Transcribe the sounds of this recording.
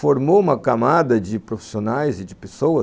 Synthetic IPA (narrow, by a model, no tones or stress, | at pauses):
foɾmoũmɐkamad̪ɐd͡ʒɪpɾofi̥sionajzɪd͡ʒɪpesowɐ